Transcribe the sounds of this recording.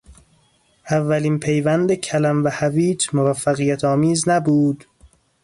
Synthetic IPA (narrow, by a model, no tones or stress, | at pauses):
ʔævːæliːnpʰejvænd̪ecʰælæmvæhæviːd͡ʒmovæfːæɣijæt̪ʰɒːmiːznæbuːd̪̥